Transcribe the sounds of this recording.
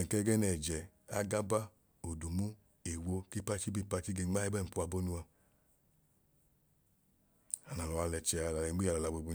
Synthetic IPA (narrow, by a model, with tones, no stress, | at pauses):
ɛ˨kɛ˦ɡɛ˦nɛ˨d͡ʒɛ˨ | a˦ɡa˦ba˦ | o˨du˨mu˦ | e˨wo˧ki˦pa˦t͡ʃi˦bi˦˨pa˧t͡ʃi˦ɡe˧˦ŋ͡ma˦i˦bɛ˦˨m̩˨pu˦a˧bo˦nu˧a˧ | a˨na˨lɔ˨a˧lɛ˧t͡ʃɛ˧a˧˨la˨lɛ˨˦ɡ͡bi˦a˧lɔ˨la˨bo˧˨bu˧